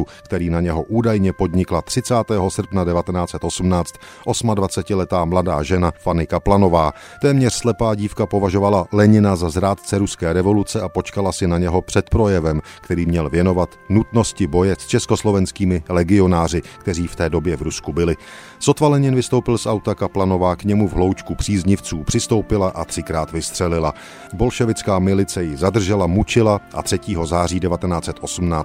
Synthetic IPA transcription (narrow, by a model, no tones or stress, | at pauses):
ukt̪ɛɾiːnaɲɛɦo̞ʔuːdajɲɛpo̞dɲɪklat̪r̝̥ɪt͡saːt̪ɛːɦo̞sr̩pnadɛvat̪ɛnaːt͡sɛt̪ʔo̞sum̩naːt͡st̪ | ʔo̞smadvat͡sɛcɪlɛt̪aːmladaːʒɛnafanɪkaplano̞vaː | t̪ɛːmɲɛr̥slɛpaːɟiːfkapo̞vaʒo̞valalɛɲɪnazazɾaːt̪t͡sɛɾuskɛːɾɛvo̞lut͡sɛʔapo̞t͡ʃkalasɪnaɲɛɦo̞pr̝̥ɛt̪pɾo̞jɛvɛmkt̪ɛɾiːmɲɛlvjɛno̞vat̪nut̪no̞scɪbo̞jɛst͡ʃɛsko̞slo̞vɛnskiːmɪlɛɡɪo̞naːrɪkt̪ɛriːft̪ɛːdo̞bjɛvɾuskubɪlɪ | so̞t̪valɛɲɪnvɪst̪o̞wpɪlsʔawt̪akaplano̞vaːkɲɛmuvɦlo̞wt͡ʃkupr̝̥iːzɲɪft͡suːpr̥ɪst̪o̞wpɪlaʔat̪r̝̥ɪkɾaːt̪vɪst̪r̥ɛlɪla | bo̞lʃɛvɪt͡skaːmɪlɪt͡sɛjɪzad̪r̩ʒɛlamut͡ʃɪlaʔat̪r̥ɛciːɦo̞zaːriːdɛvat̪ɛnaːt͡sɛt̪ʔo̞sm̩naː